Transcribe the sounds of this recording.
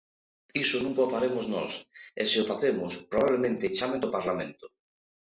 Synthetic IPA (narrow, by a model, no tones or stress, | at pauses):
isonũŋkaofaɾemoznɔ̰sḛseofaθemʊspɾoβaβlemẽnt̪et͡ʃamend̪opaɾlamḛ̃nt̪ʊ̥